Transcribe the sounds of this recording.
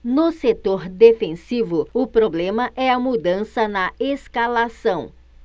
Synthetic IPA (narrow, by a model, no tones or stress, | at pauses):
nʊset̪oɾd̪efẽsivʊʊpɾoblẽmɐʔɛɐmud̪ɐ̃sɐnɐeskalasɐ̃w̃